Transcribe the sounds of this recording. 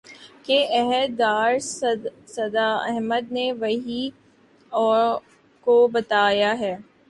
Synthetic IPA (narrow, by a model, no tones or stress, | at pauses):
keɛɦəd̪ːaːɾ | sɐd̪aɐ̰ɦməd̪̚neʋɐɦi | ɔː | kobɐt̪aːjaɦɛː